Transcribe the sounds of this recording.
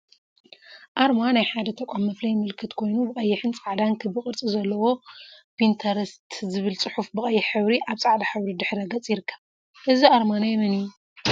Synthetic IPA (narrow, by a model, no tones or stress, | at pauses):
ʔaɾmanajħad̪ɐt̪ʰɐkʷʼamːɐflɐjmɨlkʰɨt̪kʰo̞jnubɨχʼɐjːɪħɨnt͡sʼaʕd̪ankʰɨbɨχʼɨɾt͡sʼizɐlːɐwo̞bint̪ʰɐɾst̪zɨβɨlt͡sʼɨħufbɨχʼɐjːɪħɨβɾiʔaβt͡sʼaʕd̪aħɨβɾid̪ɨħɾɐɡɐt͡sʼjɪɾɨkʰːɐβ | ʔɨziaɾmanajɛmɨnɨju